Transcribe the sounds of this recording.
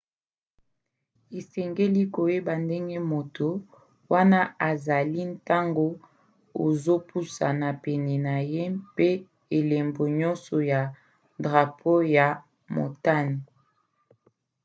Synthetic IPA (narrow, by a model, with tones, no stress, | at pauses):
e˨sɛ˨ŋɡe˦li˦ko˨je˦ba˨nde˦ŋɡe˦mo˨to˨ | wa˦na˦ʔa˨za˨li˦n˦ta˦ŋɡo˦ | o˨zo˦pʰu˦sa̰˨na˨pɛ˨nɛ˨na˨je˦pe˦ | e˨le˨mbo˨ɲɔ˦nsɔ˨ja˨ | dʁa˨pʰo˦ja˨ | mo̰˨ta˦ni˨